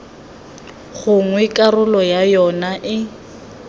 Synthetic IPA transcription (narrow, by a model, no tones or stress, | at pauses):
ɣʊŋwɛkʼarʊlɔjajɔnaʔɪ